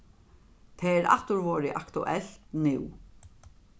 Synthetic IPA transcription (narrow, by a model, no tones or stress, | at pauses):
t̪ʰɛːɛɾa̰ht̪ʊɾvɔːɾɪʔakt̪ʊ̰ʔɛl̥t̪nɪw